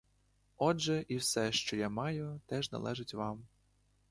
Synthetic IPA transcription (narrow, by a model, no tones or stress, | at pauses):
ɔʒɛʔiwsɛʃt͡ʃɔjamɑjʊt̪ɛʒnɐ̰lˠɛʒɪtʲʋɑm